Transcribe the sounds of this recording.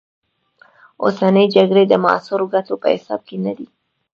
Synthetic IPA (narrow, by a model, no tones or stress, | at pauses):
o̰sanəjd͡ʒaɡɽed̪əmɑ̰sʊɾoɡat̪opə̰hɪ̰sɑ̰b̚kenad̪i